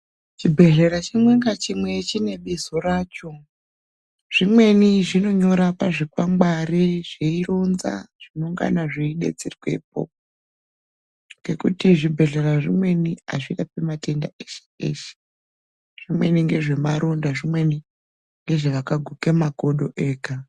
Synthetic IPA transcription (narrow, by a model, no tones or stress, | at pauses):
t͡ʃibʱe̞ɮe̞ɾat͡ʃimwe̞ŋɡat͡ʃimwe̞t͡ʃine̞ɓizo̞raːt͡ʃo̞ | ʐ̥imwe̞niʐino̞ɲo̞ɾapaʐikwamɡaɾeʐeironza̰ʐ̥ino̞ŋɡa̰naʐeiɗḛd͡zerikwep̚o̰ːp̚o | ŋɡe̞kutiʐibʱe̞ɮeraʐimwe̞nia̰ʐiɗapemate̞nda̰eʃe̥ḛːʃe̥ | ʐ̥imwe̞niŋɡe̞ʐe̞maɾʔondaʐimwe̞ni | ŋɡe̞ʐeʋakaɡʱukemako̞ɗo̞ʔe̞ːka